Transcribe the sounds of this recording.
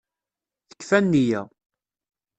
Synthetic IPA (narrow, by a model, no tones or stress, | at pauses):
θə̥kːfænːijæ